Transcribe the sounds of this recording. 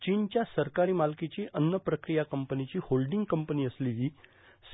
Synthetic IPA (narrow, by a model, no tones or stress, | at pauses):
t͡ɕiːnt͡ɕjasəɾkaɾiːmalkit͡ɕiʔənːəpɾəkɾijakəmpənit͡ɕiːholɖiŋɡkəmpəniːəsliliː | s